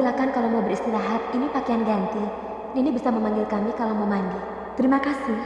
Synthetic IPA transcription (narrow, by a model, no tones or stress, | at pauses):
ilakankalawmaubəɾist̪ilaɦat̪̚inipakeanɡant̪i | inibisaməmaŋɡɪlkamikalaməmaŋɡil | t̪əɾimakasɪ